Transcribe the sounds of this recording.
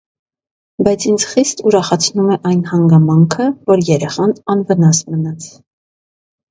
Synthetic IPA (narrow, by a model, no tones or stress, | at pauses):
bɑjt͡sʰind͡zχist̪uɾɑχɑt͡sʰnumɛʔɑjnhɑŋɡɑmɑŋkʰəvɔɾjɛɾɛχɑnɑnvənɑsmənɑt͡sʰ